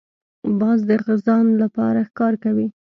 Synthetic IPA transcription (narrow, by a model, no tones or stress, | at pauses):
bɑzd̪əɣɪzɑnlapɑ̰ɾaxkɑɾkawi